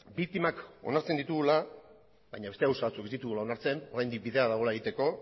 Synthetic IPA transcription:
bikt̪imako̞̰naɾt͡send̪it̪uɣula | bajɲaβest̪e̞awsaβat͡suke̞zd̪it̪uɣulao̞naɾt͡se̞no̞ɾajnd̪ik̚biðe̞aðaɣ̞o̞laeɣit̪e̞ko̞

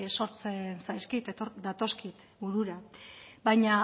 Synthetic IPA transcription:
so̞ɾt͡se̞nsajskit̪od̪at̪o̞skit̪ | buɾuɾabajɲa

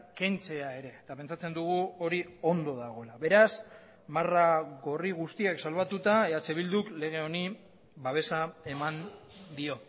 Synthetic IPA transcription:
kent͡se̞aeɾe̞t̪ape̞nt͡sat͡se̞nd̪uɣ̞uo̞ɾio̞nd̪o̞ðaɣ̞o̞laβe̞ɾas | maraɣo̞riɣ̞ust̪iaksalβat̪ut̪aetat͡se̞βild̪ukle̞ɣ̞e̞o̞ni | βaβe̞sae̞mand̪io̞

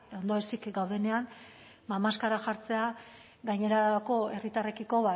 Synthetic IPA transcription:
o̞nd̪oesikɡawðe̞ne̞an | mamaskaɾaxaɾt͡se̞a | ɡaɲe̞ɾako̞e̞rit̪are̞kiko̞βa

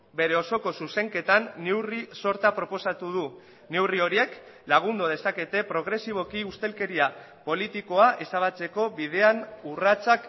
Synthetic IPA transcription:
be̞ɾe̞o̞so̞ko̞suse̞ŋke̞t̪anːe̞wriso̞ɾt̪apɾo̞po̞sat̪uð̞u | ne̞wrio̞ɾie̞k | laɣ̞und̪oð̞e̞sake̞t̪e̞pɾo̞ɣ̞ɾe̞siβ̞o̞kiust̪e̞lke̞ɾia | po̞lit̪iko̞aʔe̞saβ̞at͡se̞ko̞βið̞e̞anurat͡sak

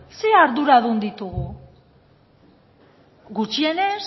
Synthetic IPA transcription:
se̞aɾðuɾaðund̪it̪uɣu | ɣut͡ʃie̞ne̞s

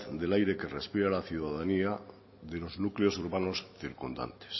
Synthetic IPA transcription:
d̪elajɾe̞ke̞respiɾalaθjuðaðania | ðeloznukleosuɾβano̞sθiɾkund̪a̰nt̪e̥s

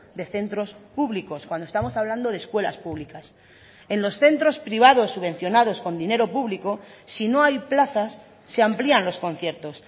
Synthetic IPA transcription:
d̪e̞θe̞nt̪ɾo̞spuβliko̞skwand̪o̞st̪amo̞saβland̪o̞ðeskwe̞la̰spuβ̞likas | e̞nlo̞sθe̞nt̪ɾo̞spɾiβ̞að̞o̞sːuβe̞n̟θjo̞nað̞o̞sko̞nd̪ine̞ɾo̞puβliko̞sino̞ajplaθasː | e̞amplianlo̞sko̞nθje̞ɾt̪o̞s

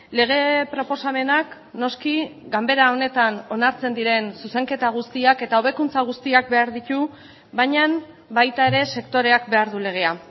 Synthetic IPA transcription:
le̞ɣ̞e̞pɾo̞po̞same̞nak | no̞skiɡambe̞ɾao̞ne̞t̪ano̞naɾt͡se̞nd̪iɾe̞nsuse̞ŋke̞t̪aɣ̞ust̪iake̞t̪ao̞β̞e̞kunt͡saɣ̞ust̪iak̚be̞aɾðit̪u | βaɲam | bajt̪ae̞ɾe̞se̞kt̪o̞ɾe̞ak̚be̞aɾðule̞ɣ̞e̞a

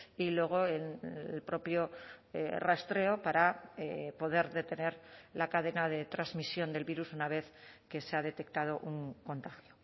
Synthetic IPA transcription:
ilwe̞ɣ̞o̞enelpɾo̞pjo̞ | rast̪ɾe̞o̞paɾaepo̞ðe̞ɾðe̞t̪e̞ne̞ɾlakaðe̞nað̞e̞t̪ɾazmisjo̞nd̪e̞lβiɾusunaβ̞e̞θke̞seað̞e̞t̪e̞k̚t̪að̞o̞ʔuŋko̞nt̪axjo

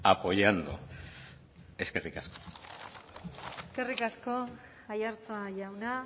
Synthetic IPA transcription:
apo̞jand̪ṵ | e̞skerikasko̥ | eske̞rikasko̞ | ajaɾt͡saʝawna

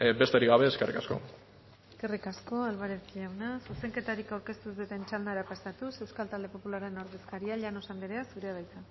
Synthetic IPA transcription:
be̞st̪eɾiɣaβe̞ːskerḭkasko̞̰ | eske̞rikasko̞alβaɾekiawnasuse̞ŋke̞t̪aɾikawɾke̞st̪uzet̪ent͡ʃald̪aeɾapasat̪use̞wskalt̪ald̪e̞po̞pulaɾeno̞ɾðeskaɾiaʎanosand̪eɾeasuɾeaðajt̪a

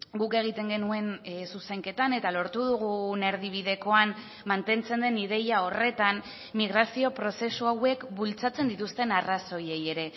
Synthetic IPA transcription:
ɡuke̞ɣ̞it̪e̞ŋɡe̞nue̞nsusajŋke̞t̪ane̞t̪alo̞ɾt̪uð̞uɣ̞une̞ɾð̞iβ̞iðe̞ko̞am | mant̪e̞nt͡se̞nd̪e̞niðe̞jao̞re̞t̪an | miɣ̞ɾasio̞pɾo̞se̞suawe̞kbult͡sat͡se̞nd̪it̪ust̪e̞naraso̞je̞je̞ɾe̞

